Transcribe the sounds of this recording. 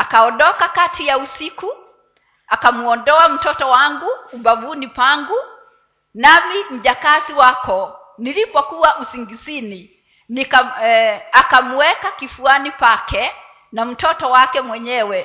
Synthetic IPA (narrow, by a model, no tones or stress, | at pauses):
akaɔnɗɔkakatʰijausiku | akamuɔndɔam̩tɔtɔwaŋɡuːɓavunipaŋɡu | namim̩ʄakasiwakɔ | nilipɔkuwasiŋɡisini | nika | akamuwɛkakifuanipakʰɛ | nam̩tɔtɔwakɛmwɛɲɛwɛ